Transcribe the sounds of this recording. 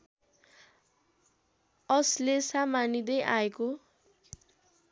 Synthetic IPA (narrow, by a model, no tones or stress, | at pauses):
ʌslesamanid̪ʌjʔaeko